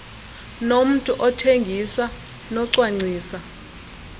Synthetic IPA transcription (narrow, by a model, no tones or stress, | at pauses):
nom̩tʼuʔɔtʰeŋɡʱisa | nɔǀwaŋ͡ǀʱiːsa